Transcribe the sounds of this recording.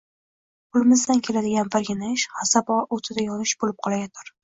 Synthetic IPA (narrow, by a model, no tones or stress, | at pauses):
pʰʊlˠɪmɪzd̪ankʲʰe̞lad̪ɪɡʲanbaɾɡʲɪnɪɪʃhasabɒʔot̪ʰɪd̪ajɒnɪʃbolɪp̚qʰɒlˠajat̪ʰaɾ